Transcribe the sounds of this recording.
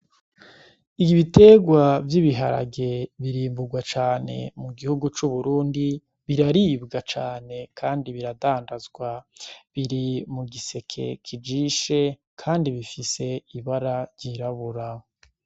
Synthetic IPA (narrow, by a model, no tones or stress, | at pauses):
iɡiβite̞ːɡwavjiβiɦa̰ɾa̰ɡe̞βiɾiːmbuɡwat͡ʃaːne̞̰muɡihuɡut͡ʃuβuɾuːndi | βiɾaɾiːbɡat͡ʃaːne̞kʰaːndiβiɾadaːndazɡwaβiɾimuɡise̞kʰe̞̰kʰid͡ʒiːʃe̞ | kʰaːndiβifise̞iβaɾaɾɟiɾaβuɾa